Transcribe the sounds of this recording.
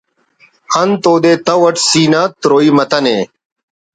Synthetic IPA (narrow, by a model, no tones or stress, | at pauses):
ɐnt̪oːd̪eːt̪ɐwɐʈsiːnaːt̪ɾoːiːmɐt̪ɐneː